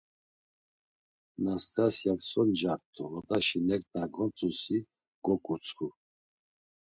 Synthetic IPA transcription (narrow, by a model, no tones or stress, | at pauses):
nast̪ʼasjaksɔnd͡ʒaɾt̪ʰʼuvɔd̪aʃinɛkt̪ʰʼaɡɔnt͡sʼusi | ɡ̥ɔkʼut͡sʰʼχu